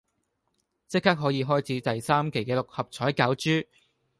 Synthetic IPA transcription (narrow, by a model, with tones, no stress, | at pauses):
t͡sɪ˥k̚haː˥k̚ɦɔː˨˥jiː˨˧ɦɔː˥jt͡sʰiː˨˥t̪ɐ˨jsaː˥mke˨˩jkɛː˧lʊ˨k̚hɐ˨p̚t͡sʰɔː˨˥jkaː˨˥wt͡ʃyː˥